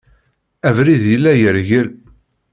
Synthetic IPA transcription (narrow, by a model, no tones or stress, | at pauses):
ævɾiðjəlːæjəɾʝəl